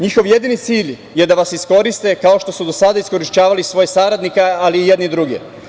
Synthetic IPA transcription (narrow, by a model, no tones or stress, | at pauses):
ɲixo̞ʋje̞d̪init̪siːʎ | je̞d̪aʋasisko̞ɾist̪e̞kao̞ʃt̪o̞sud̪o̞sad̪aisko̞ɾiʃt͡ɕaːʋalisʋo̞jesaɾad̪nikealiːjed̪nid̪ɾuɡḛ